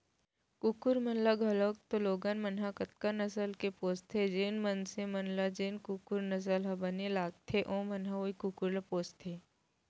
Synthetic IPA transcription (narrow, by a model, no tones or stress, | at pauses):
kukʊɾmɐnlaɡʱɐlək̚t̪oloːɡanmɐnɦakɐt̪̚kanɐsəlkepoːst̪ʰed͡ʒenmənsemɐnlad͡ʒeːnkukʊɾnɐs̬əlɦɐbɐnelaːɡ̚t̪ʰeʔõːmɐnɦaoikukʊɾlapoːst̪ʰeː